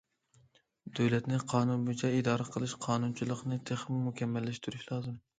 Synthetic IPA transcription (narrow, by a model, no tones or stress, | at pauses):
d̪øwlɛt̪nɪqʰɑːnunbyd͡ʒʰɛid̪ɑːɾəqʰəlˠɨʃqʰɑːnunt͡ʃʰilˠəqnɨt̪ʰeχmɪmukʲʰɛmːɛlːɛʃt̪ʰyɾyʃlˠɑːzɨm